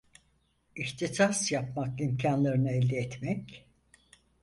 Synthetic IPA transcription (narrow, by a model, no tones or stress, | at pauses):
içt̪ʰisasjapmakimcʰanlˠaɾɯnɯɛlʲd̪iɛt̪mɛc